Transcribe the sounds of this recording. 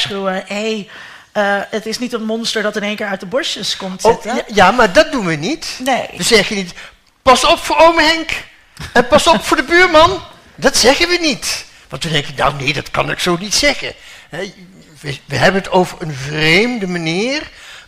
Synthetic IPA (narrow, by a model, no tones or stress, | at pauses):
χuwəɦej | əətɪsnitənmɔnstəɹdɑtɪnejŋkɪːɹœt̚dəbɔɹʃəskɔmtsɪəjaːmaːɹdɑt̚dunʋənitnejʋəzɛχənit | pɑsɔpfʊːɹowməɦɛŋk | ɛnpɑsɔpfʊːɹdəbyːɹmɑn | dɑtsɛχənʋənit | ʋɑ̰ntʋədɛŋkəna̰wnejdɑtkɑ̰nɪ̰ksownitsɛχə̰nɦɛ | ʋəʋəɦɛbənɦətowvəɹənvrejmdəmaniːr